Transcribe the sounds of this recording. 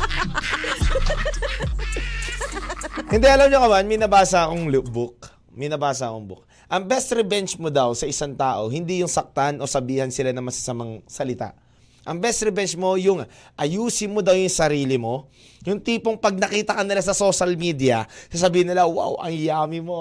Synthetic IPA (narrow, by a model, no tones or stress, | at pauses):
hɪnd̪ɛʔɐlamɲokɐmanmɛjnɐbaːsaʔɐkoŋlʊʔbʊk̚ | mɛjnɐbaːs̬ɐʔɐkoŋbʊ̰k̚ | ʔɐŋbɛst̪ɾɛbɛnt͡ʃmod̪awsɐʔɪsaŋt̪aːʔo̞hɪnd̪ijʊŋsɐk̚t̪anʔo̞sɐbiːhɐnsɪlanɐŋmɐsɐsɐmaŋsɐlɪt̪a̰ʔ | ʔɐŋbɛst̪ɾɛbɛnt͡ʃmo̞jʊŋʔɐjuːsɪmːod̪ɐwjʊŋsɐɾiːlɪmo̞ | jʊŋt̪iːpo̞ŋpɐɡ̚nɐkiːt̪ɐkɐnɪlasɐso̞ʃɐlmiːd̪ijɐsas̬ɐbiːhɪnːɪlawa̰wʔɐ̰ŋjaːmɪmo